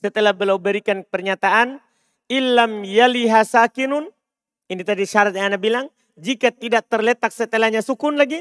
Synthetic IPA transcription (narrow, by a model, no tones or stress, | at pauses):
sət̪əlahbəlawbəɾikanpərɲat̪aʔan | ɪlːamjaliɦasakinʊn | init̪adiʃaɾat̪̚jaanabilaŋ | d͡ʒikat̪idaʔ̚t̪ərlɛt̪ak̚sət̪əlahɲasukʊnlaɡi